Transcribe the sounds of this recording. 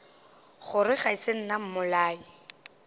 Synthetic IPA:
χʊrɪχaisen̩nam̩mʊlaːi

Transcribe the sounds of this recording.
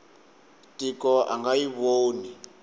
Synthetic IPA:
tʼikɔʔa̰ŋɡajiβoːni

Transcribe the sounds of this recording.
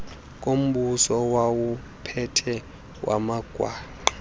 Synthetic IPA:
kʼom̩ɓusɔwawu | pʰɛtʰɛ | wʔa̰maɡ̥ʱwaːǃa

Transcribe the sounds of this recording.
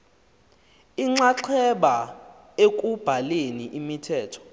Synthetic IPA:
iŋ͡ǁaǁʰɛɓa | ek̬ʼub̥ʱaleniʔimitʰɛːtʰɔ̥

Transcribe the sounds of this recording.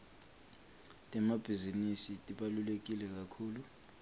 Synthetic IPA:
tʼɛmab̥ʱizinisitʼiɓalulek̬ʼilɛk̬ʼakʰuːlu

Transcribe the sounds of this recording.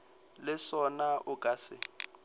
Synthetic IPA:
lɪsɔnaʔʊkʼasɪ

